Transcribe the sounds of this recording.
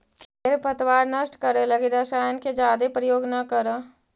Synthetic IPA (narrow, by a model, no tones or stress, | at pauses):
keːɾpɐt̪ʋaːɾnɐʃʈkəɾelɐɡiɾaʃaːjənked͡ʒaːd̪epɾəjoːɡnɐkɐɾa